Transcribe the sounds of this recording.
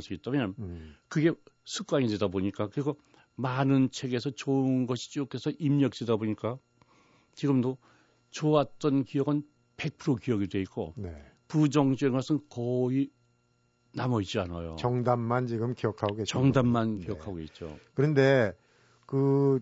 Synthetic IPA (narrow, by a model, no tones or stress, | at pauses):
sʰiɡit͈amjʌnkɯɡe̞sʰuk͈waŋidwe̞daboɲik͈akɯɾiɡʌ | manɯnt͡ɕʰe̞ɡe̞sʰʌt͡ɕoɯnɡʌɕʰi̥t͡ɕ͈okʰe̞sʰʌʔimɲʌk̚t͈edaboɲik͈a | t͡ɕiɡɯmdo | t͡ɕoat͈ʌnkijʌɡɯn | pe̞k̚pʰɯɾokiʌɡidwe̞ik͈o̰ne | pud͡ʑʌŋt͡ɕeŋʌs͈ʰɯnkʌi | namʌit͡ɕ͈ianajo̰t͡ɕʌŋdamːant͡ɕiɡɯmkijʌkʰaɡoɡet͡ɕʌŋdamːankkijʌkʰaɡoɡet̚t͡ɕ͈o̰kɯɾʌnde̞ | kɯ